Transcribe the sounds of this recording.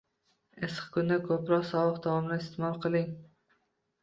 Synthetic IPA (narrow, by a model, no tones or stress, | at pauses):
esqkʰʊnd̪akʰɵpɾɒqsɒwɨqd̪awɒmnɪɪst̪ʰɪmɒlˠqʰɨlˠɪŋ